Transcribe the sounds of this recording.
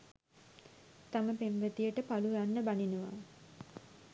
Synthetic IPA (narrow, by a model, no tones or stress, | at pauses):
t̪aməpembət̪ijəʈəpalujanːəbaninuʋa̰